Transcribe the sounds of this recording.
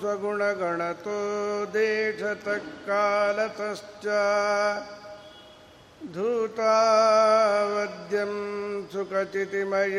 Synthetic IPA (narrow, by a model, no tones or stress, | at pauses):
ɐɡuɳɐɡɐɳɐt̪oːd̪eːʈʰɐt̪ɐkːaːlɐt̪ɐst͡ʃɐ | d̪ʱuːt̪aː | ʋɐd̪jɐmsukɐt͡ʃit̪imɐj